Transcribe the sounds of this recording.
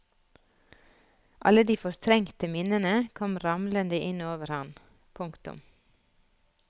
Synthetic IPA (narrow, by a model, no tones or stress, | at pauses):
ʔɑ̰ləd̪iːfɔɾt̪ʰɾɛŋt̪əmɪnənəkʰɔmɾɑmlənd̪əʔɪnoːʋəɾhɑn | pʰʊŋkt̪ʊ̰m